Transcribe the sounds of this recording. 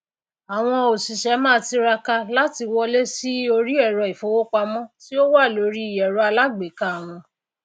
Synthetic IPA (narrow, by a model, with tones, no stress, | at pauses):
a˨w̃ɔ̃˧o˨si˨ʃɛ˨˦mãː˦ti˧ɾa˧ka˧la˦ti˧wɔ˧le˦si˦o˧ɾi˦ɛ˦˨ɾɔ˧i˨fo˧˦wo˦k͡pa˧mɔ̃˦ti˦o˦wa˦˨lo˨˦ɾi˦i˨jɛ˨ɾu˧˦a˧la˦ɡ͡be˨˦ka˦a˨w̃ɔ̃˧